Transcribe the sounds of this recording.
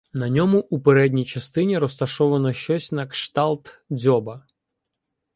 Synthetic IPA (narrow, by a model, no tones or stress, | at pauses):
nɐnʲɔmʊʔupeɾɛdʲnʲijt͡ʃɐst̪ɪnʲiɾɔst̪ɐʃɔʋɐnɔʃt͡ʃɔsʲnɐkʃt̪ɑlˠt̪d͡zʲɔbɐ